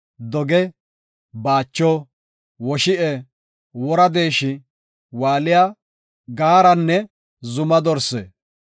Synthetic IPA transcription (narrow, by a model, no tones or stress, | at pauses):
d̪ɔɡɛ | baːt͡ʃːɔ | wɔʃɪʔɛ | wɔɾɐd̪e̞ːʃɪ | waːlɪja | ɡaːɾɐnːɛ | zʊmɐd̪ɔɾsḛː